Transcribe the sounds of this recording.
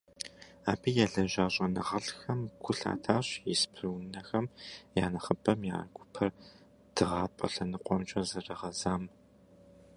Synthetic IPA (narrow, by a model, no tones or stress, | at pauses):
aːbiːjaɮɐʒaːɕʼɐnɨʁɐɬxɐmɡʷʰʊɬa̰ːtʰaːɕjɪspʰrɨwnɐxɐmja̰ːnɐχəbʰʼɐmja̰ːrɡʷʊpʰɐr | d̥ɨʁɑːpʼɐ̰ɬɐnɨqʷʼɔmt͡ʃʼɐzɐrɐʁɐzaːm